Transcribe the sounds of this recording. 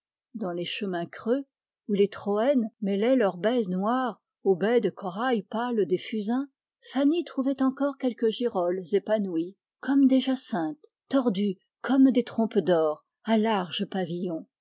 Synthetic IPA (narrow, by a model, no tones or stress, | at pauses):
d̪ɑ̃leʃəmɛ̃kχø | ulet̪χɔɛnmɛlɛlœʁbɛznwaʁ | obɛd̪əkɔʁajpald̪efyzɛ̃ | fanit̪χuvɛt̪ɑ̃kɔʁkʲɛlkəʒiʁɔlzepanwi | kɔmd̪eʒasɛ̃t̪ː | ɔʁd̪y | kʰɔmd̪et̪χɔ̃pd̪ɔːʁ | alaʁʒəpavijɔ̃